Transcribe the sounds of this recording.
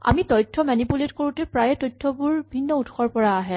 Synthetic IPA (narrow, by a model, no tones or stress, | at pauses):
a̰mitɔjtʰːɔmanipuletkoɹutɛpɹajɛtɔjtʰːɔbuɹbʱinːɔutxɔɹpɔɹaːɦɛ